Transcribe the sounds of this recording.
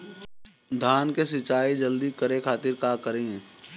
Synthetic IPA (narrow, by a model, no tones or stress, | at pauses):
d̪ʱaːnkesɪt͡ʃaːid͡ʒəld̪ikəɾekʰaːt̪ɪɾkaːkəɾẽː